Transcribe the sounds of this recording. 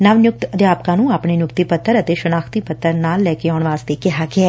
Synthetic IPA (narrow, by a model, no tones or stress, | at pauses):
naʋnjʊk̚t̪əd̪jaːpkãːnũːaːpɳeːnjʊkt̪ipət̪ʰːəɾət̪eːʃənaːkʰt̪ipət̪ːəɾnaːlːɛːkeaːʊɳ̃ʋaːst̪eːkɪɦaːɡɪɛː